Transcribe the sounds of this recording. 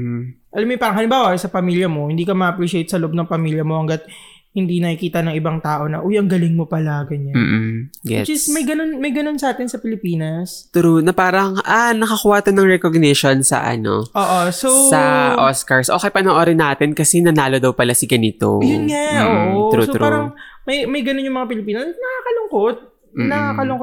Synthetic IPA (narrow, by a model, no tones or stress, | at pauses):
ʔɐlɐmɪpaːɾɐŋhɐlɪmbaːwɐsɐpɐmiljɐmo̞hɪnd̪iːkɐmɐʔɐpɾiʃɪejt̪̚sɐloʔob̚nɐŋpɐmiːljɐmo̞hɐŋɡɐt̪̚ | hɪnd̪inɐkikiːt̪ɐnɐŋʔɪbɐŋt̪aːʔo̞nɐʔojʔɐŋɡɐlɪŋmopɐlaɡɐɲam̩ːɡɛ̰d͡ʒɪsmɐjɡɐnonmɐjɡɐno̞nsɐʔaːt̪ɪnsɐpɪlɪpiːnɐst̪ʊɾunɐpaːɾɐŋʔanɐkɐkuːɐt̪onɐŋɹɛkoɡ̚nɛʃonsɐ̰ʔɐ̰no̞̰ʔoːʔosowsɐʔoskɐɹsʔo̞ːkɛjpɐnɐŋʔoːɾɛnaːt̪ɪnkɐsɛnɐnaːlo̞d̪ɐwpɐlasɪɡɐnɪt̪o̰jʊnŋaʔoːʔot̪ɾusoɾpaːɾɐŋmɐjmɐjɡɐnonjʊŋmɐŋapɪlɪpiːnɐsnɐkakɐlʊŋkot̪̚ː | nɐkakɐlʊŋo